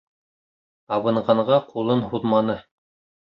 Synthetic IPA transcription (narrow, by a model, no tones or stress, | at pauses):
ɑβɤ̆ɴʁɑɴʁɑqulˠɤnɦuðmɑnɤ